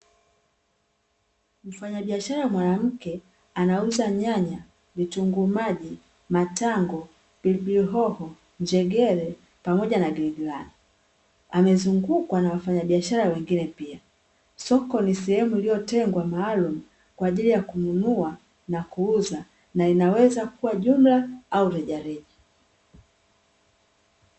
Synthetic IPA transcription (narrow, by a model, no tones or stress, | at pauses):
m̩faɲaɓiaʃaɾawmwanam̩kɛ | anauzaɲaɲa | vituŋɡumaʄi | mataŋɡɔ | b̥ilbliɦɔhɔ | ɲd͡ʒɛɡɛɾɛ | pamɔʄanaɡiiɡilani | amɛzuŋɡukwanawafaɲaɓiaʃaɾawɛŋɡinɛpia | sɔkɔnisɛhɛmuilijɔtɛŋɡwamaːlumu | kwaːʄilijakununua | nakuuza | nainawɛzakuwaʄum̩laauɾɛʄaɾɛʄa